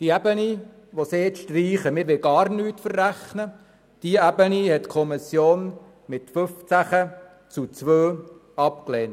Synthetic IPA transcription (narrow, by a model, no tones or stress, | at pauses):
d̪̥iæbəni | ʋɔsesʃtriːχəmɪːɾʋɪlɡɑːɾnyːtfərːæχnə | d̥iəæbənihɛtkʰɔmɪsjoːn | mɪtfɵft͡sæχə | t͡sut͡sʋøː | ɑpklɛːnt